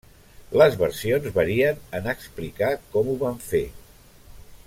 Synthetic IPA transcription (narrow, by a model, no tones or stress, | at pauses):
ləzβəɾsionzβəɾiənənaksplikakɔmuβaɱfe